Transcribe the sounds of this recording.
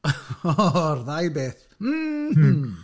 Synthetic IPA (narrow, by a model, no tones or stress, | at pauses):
ɔɔrðajbeːθ | m̩